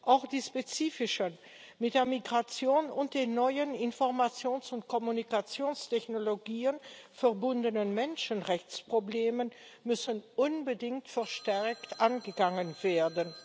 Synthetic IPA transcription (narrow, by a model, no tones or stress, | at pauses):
ʔaʊxd̥iːʃpet͡siːfɪʃən | mɪt̚d̥eːɐmiɡʁat͡sjoːnʊnt̚d̥eːnːɔʏənɪnfɔɐʁmat͡sjoːnsʊntkʰɔmunikat͡sjoːnstʰɛçnoloɡiːənfɛɐbʊndənənmɛnʃənʁɛçt͡spʁ̥obleːmənmʏsənʔʊnbədɪŋktfɛɐʃtɛɐktʔanɡəɡaŋənveːɐdən